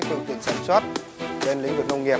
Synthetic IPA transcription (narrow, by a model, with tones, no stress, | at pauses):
fɨ˧əŋt̪ḭ˧˨ənsaː˧˩nswaː˦˥t̚ | ɓe˧nlḭ˧˥ŋvwḭ˧˨nə˧wŋi˨˩